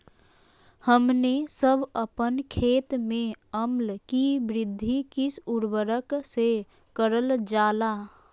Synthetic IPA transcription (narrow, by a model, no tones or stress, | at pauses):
həmnesəbʱəpənkʰeːt̪mẽəmlkibɾɪd̪ʱːikisuɾbəɾəkse | kəɾəld͡ʒaːla